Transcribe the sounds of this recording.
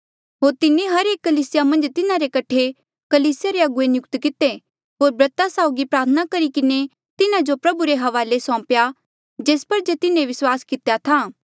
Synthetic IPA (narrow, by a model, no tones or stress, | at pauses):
ɦoːɾt̪ɪneɦɐɾeːkːɐliːsɪjamɐ̃nd͡ʒt̪ɪnaɾekɐʈʰe | kɐliːsɪjaɾeɐɡʊenjʊkt̪kɪt̪e | ɦoːɾbɾɐt̪asaːʊɡipɾaːɾt̪ʰənakɐɾikɪne | t̪ɪnad͡ʒopɾɐbuɾeɦɐʋaːlesɔ̃ːpja | d͡ʒeːspɐɾd͡ʒet̪ɪnẽʋɪswaːskɪt̪ejat̪ʰaː